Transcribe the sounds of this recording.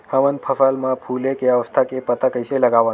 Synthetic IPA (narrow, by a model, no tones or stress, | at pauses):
həʋənpʰəfalmãpʰulekeəʋəst̪ʰakepət̪akəjseləɡaʋã